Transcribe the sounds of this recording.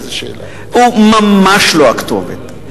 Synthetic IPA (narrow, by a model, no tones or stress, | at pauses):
zʃḛla | umamaʃloakt̪ovḛt̪